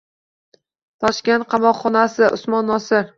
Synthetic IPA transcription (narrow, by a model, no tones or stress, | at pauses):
t̪ʰɒʃkʲent̪̚qʰɑmɒqχɒnasɪʔʊsmɒnːɒsɪɾ